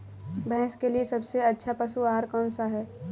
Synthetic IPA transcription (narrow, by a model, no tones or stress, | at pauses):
bɛ̃ɦɛ̃skeliesɐbseɐtːʃʰapɐsuaːɾkɔːnsaɦɛː